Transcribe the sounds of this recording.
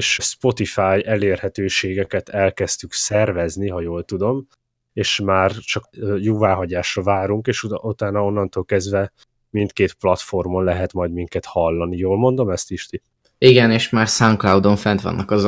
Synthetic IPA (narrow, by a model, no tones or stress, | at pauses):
ʃspo̞t̪ifaːjɛleːrhɛt̪øːʃeːɡɛkɛt̪ʰɛlkɛst̪yksɛrvɛzniɦɒjoːlt̪ud̪o̞m | eːʃmaːrt͡ʃɒkːjoːvaːɦɒɟaːʃrɒvaːɾuŋkeːʃut̪aːnɒo̞nːɒnt̪oːlkɛzd̪vɛ | mint̪keːt̪plɒt̪fo̞rmonlɛɦɛt̪mɒjd̪miŋkɛt̪hɒlːɒnijoːlmo̞nd̪o̞mɛst̪iʃt̪i | iɡɛneːʃmaːrsaŋklɒwd̪oɱfɛnt̪ʋɒ̰nːɒkɒz